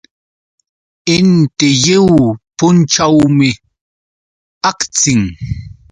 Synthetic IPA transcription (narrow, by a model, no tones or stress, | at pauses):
entejewpon̩t͡ʃawme | akt͡sɪŋ